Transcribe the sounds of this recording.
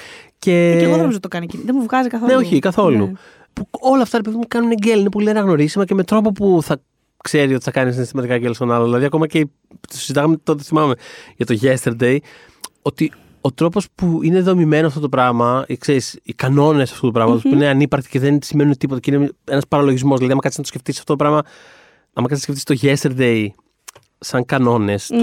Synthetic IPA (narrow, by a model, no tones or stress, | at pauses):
ce̞ɣonɐmizot̪okɐncinðemuvɣɐzikɐθoneoçikɐθo̞lu | puo̞lɐːft̪ɐɾepeðimekɐnuneɟeline̞po̞lienɐɣno̞ɾisimɐceme̞t̪ɾo̞p̬o̞puθɐ | kse̞ɾiot̪i̥θɐkɐnis̬inest̪imɐt̪ikɐɟelst̪o̞nɐloðilɐðiɐko̞mɐce | t̪osid̪ɐɣɐmet̪ot̪̬eθimɐme̞ʝɐt̪o̞ʝest̪eɾd̪e̞j | o̞t̪i | o̞t̪ɾo̞po̞spuine̞ðo̞mime̞noɐft̪ot̪opɾɐɣmɐkseɾisikɐno̞ne̞sɐ̥ft̪ut̪upɾɐɣmɐt̪ospuineɐnipɐɾkt̪i̥ceðensime̞nunet̪ipot̪ɐcinee̞nɐspɐɾɐloʝizmo̞zðilɐðiɐmɐkɐt̪isnɐt̪osceft̪isɐft̪otopɾɐmɐ | ɐmɐkɐt̪sceft̪ist̪o̞ʝest̪eɾd̪e̞j | sɐŋkɐno̞ne̞s